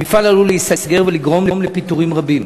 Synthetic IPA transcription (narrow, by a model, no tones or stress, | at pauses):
mifalaluleisasɡe̞ʁveliɡʁo̞mlemlepit̪uʁimʁabim